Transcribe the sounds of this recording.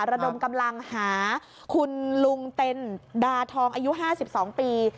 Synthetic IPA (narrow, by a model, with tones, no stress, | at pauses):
ɾa˧do˧mka˧mla˧ŋhaː˩˦ | kʰu˧nlu˧ŋt̪e˧ndaː˧t̪ʰɔː˧ŋʔaː˧ju˦˥ʔɦaː˥˩si˨˩p̚sɔː˩˦ŋpiː˧